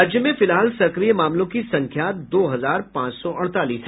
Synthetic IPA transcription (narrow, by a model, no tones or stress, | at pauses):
d͡ʒjəmẽfɪlɦaːlsɐkɾijəmaːmlõkisɐ̃ŋkʰjaːt̪d̪oːɦɐzaːɾpãːt͡ʃsɔʔɐɽ̃t̪aːliːsɦ